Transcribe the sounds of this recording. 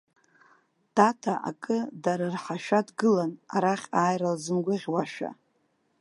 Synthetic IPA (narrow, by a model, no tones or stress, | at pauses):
d̥atʰaʔa̰kʼɨdaɾarħaʃᶣadɡɨlanaɾaχʲaːjralzɨmɡʷʊʁʲwaʃᶣa̰